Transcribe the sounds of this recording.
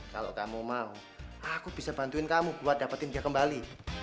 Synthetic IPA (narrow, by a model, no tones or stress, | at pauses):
ka̰lo̰ʔkamumau | akub̥isabant̪uɪnkamubuat̪̚dapat̪ɪndiakəmbali